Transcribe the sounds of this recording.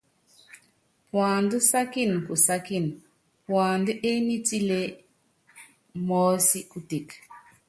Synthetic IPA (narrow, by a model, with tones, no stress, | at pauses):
pwaː˨ndu˦sa˦ki˦˨n˨ku˨sa˦ki˦˨n˨ | pwaː˨ndu˦ʔe˦ni˦ti˦le˦ | mɔː˦si˦ku˦te˨k